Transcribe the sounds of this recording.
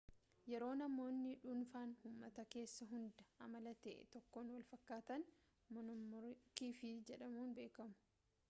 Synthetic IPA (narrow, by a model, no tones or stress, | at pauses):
jɛɾo̞ːnɐmːo̞ːnːɪᶑʊnfaːnhʊmːɐt̪ɐke̞ːsːɐɦʊnd̪ɐʔɐmɐlɐt̪ɛ̰ʔɛ̰t̪ɔkːoːnwɐlfɐkːaːt̪ɐn | mʊnʊmʊɾkiːfɪd͡ʒɛᶑɐmuːnbe̞ːkɐmʊ̥